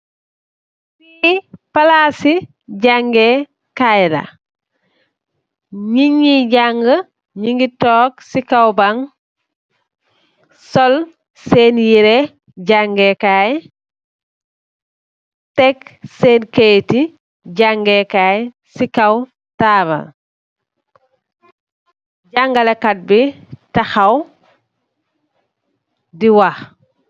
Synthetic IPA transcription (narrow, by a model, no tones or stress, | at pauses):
sipalaːsi | ɟaŋɡe | kajda̰ | ɲiɲiɟaŋɡə | ɲiŋɡitoːk̚sikawbaŋ | sol | seːnjiɾe | ɟaŋɡekaːj | tɛkseːnkejti | ɟaŋɡekaj | sikaw | taːβɐ̰ | ɟaŋɡalekat̚bitaxaw | diwax